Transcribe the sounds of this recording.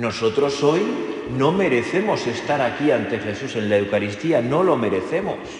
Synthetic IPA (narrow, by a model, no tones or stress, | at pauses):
no̞so̞t̪ɾo̞so̞j | no̞me̞ɾe̞θe̞mo̞se̞st̪aɾakiant̪e̞xe̞suse̞nlae̞wkaɾist̪iano̞lo̞me̞ɾe̞θe̞mo̰s